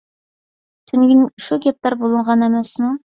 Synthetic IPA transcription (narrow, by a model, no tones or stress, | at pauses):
t̪ʰʏnɡʲɪnʃuɡʲep̚t̪ɑɾbolˠəɴʁɑnemæsmu